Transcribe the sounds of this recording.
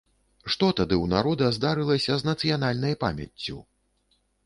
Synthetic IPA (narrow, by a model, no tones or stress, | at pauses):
ʂt̪ɔt̪ad̪ɨwnaɾɔd̪ɐzd̪aɾɨlˠɐsʲɐznɐt̪sɨjan̪alʲnɐjpa̰mʲɐ̰t͡sʲːu